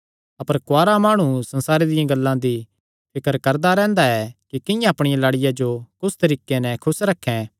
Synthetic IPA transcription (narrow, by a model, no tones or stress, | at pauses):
ɐpəɾkʊaːɾamaːɽ̃ũsɐ̃nsaːɾed̪ɪjãɡɐlːãd̪i | pʰɪkəɾkɐɾd̪aɾɛ̃ːnd̪aɛkikɪjãɐpɽ̃ɪjãlaːɽɪjad͡ʒokʊst̪ɐɾiːkenɛ̃kʰʊsɾɐkʰːɛ̃